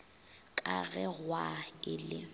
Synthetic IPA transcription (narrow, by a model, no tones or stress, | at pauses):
kʼaɣɛɣwaɪlɪ